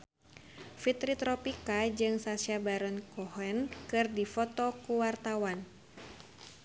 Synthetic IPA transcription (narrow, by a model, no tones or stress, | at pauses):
fit̪ɾit̪ɾɔpikad͡ʒɨŋsasiabaɾɔnkɔhɛnkɨrdifɔt̪ɔkuwart̪awan